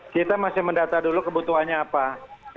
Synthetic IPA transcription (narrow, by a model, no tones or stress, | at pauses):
kit̪amasɪhməndat̪adulukəbut̪uɦanɲaːpa